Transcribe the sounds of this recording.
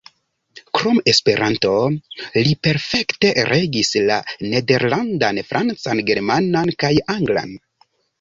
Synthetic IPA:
kɾo̞me̞spe̞ɾʔanto̞lipe̞ɾfe̞kte̞ɾʔe̞ɡisla̰ne̞de̞ɾlandanfɾʔant͡sanɡe̞ɾmanankajaŋɡla̰n

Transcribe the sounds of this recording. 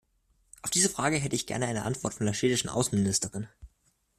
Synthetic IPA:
ʔaʊfd̥iːzəfʁ̥aːɡəɦɛtəɪçɡ̥ɛ̰ɐnəʔaɪnəʔa̰ntv̥ɔɐtfɔndeːɐʃeːdɪʃn̩ʔa̰ʊsn̩mɪnɪstəʁɪn

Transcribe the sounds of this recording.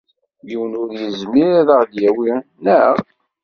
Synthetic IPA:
jiwənʊɾjəzmiɾðəʁðjæwinæ

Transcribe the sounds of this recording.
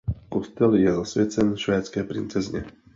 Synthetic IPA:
kɔst̪ɛljɛzɔsʋjɛt͡sɛnʃʋɛːt̪t͡skɛːpɾint͡sɛzɲɛ̰

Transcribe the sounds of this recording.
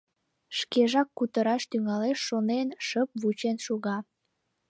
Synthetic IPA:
ʃkeʒɑkːut̪əɾɑʃt̪yŋɑleʃːonenʃəp̚βut͡ɕenʃuɣɑ

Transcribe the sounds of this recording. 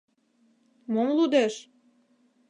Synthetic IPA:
momlud̪eʃ

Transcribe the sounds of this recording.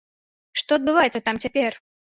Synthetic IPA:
ʂt̪ɔɐd̪̚bɨvajɛt̪sɐt̪amt͡sʲapʲɛr

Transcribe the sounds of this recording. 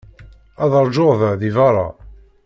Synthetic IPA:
æðəɾˤʒoʁðəðivɑɾˤɑ̰

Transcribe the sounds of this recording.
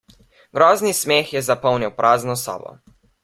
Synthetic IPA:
ɡ̥ɾɔːznismeːxjɛzapɔwniwpɾʔaːznɔsɔ̰ːbɔ̰

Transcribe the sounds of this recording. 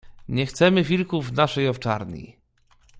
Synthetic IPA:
ɲɛxt̪sɛmɘvʲilkuvnaʂɛjɔft͡ʂa̰ɾɲḭ

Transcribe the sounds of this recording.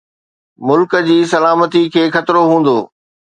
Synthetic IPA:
mʊlkə̆d͡ʑiːsɐlaːmət̪ikʰeːxɐt̪ɾoɦũːn̆d̪oː

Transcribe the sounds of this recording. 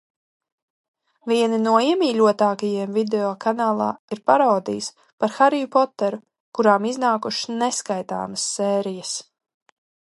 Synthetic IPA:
viɛninuɔiɛmiːʎʲuɔt̪aːkajiɛmvid̪eɔkanaːlˠa̰ːiɾpaɾawd̪ḭjs | paɾxaɾijupɔt̪ːɛɾu | kuɾaːmiznaːkuʃnɛskajt̪a̰ːməsːɛːɾijəs

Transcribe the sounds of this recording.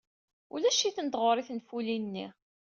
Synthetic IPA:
ulæʃiθənəd̪ʁʊɾˤiθnfulinːi

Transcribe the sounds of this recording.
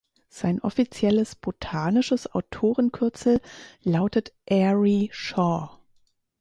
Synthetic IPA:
z̥aɪnʔɔfit͡sjɛləsb̥otʰaːnɪʃəsaʊtʰoːʁənkʰʏɐt͡sl̩laʊtətʔɛʁiʃɔː

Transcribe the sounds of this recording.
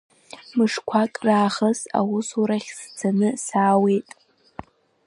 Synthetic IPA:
mɨʂkʷʰakʼraːχəsa̰wʊsuɾaχʲsd͡zʰanɨsaːwe̞jtʼ

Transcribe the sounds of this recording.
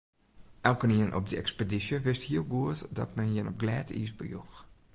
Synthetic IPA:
ʔɛlˠkəniənʔɔ̰p̚dəɛkspedisjəʋɪsthiəlˠɡuətdɔ̰tmɛnjɪnɔp̚ɡlɛːtʰḭsbə̰jux

